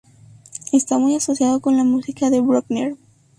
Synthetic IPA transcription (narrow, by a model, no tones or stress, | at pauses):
e̞st̪amujaso̞sjaðoko̞nlamusikaðe̞βɾokneɾ